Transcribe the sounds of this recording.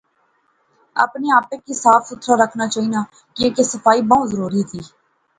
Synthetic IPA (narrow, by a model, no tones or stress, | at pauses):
ə̰pneːaːpeːkiːsaːfʰʊt̪ʰɾaːɾəkʰnaːt͡ʃaːiːnaː | kĩːkesəpʰaːiːbaːũzəɾuːɾiːt̪iː